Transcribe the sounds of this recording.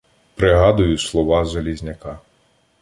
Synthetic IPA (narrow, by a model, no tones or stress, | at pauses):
pɾɪɦɑd̪ʊjʊslˠɔʋɑʒelʲizʲnʲɐkɑ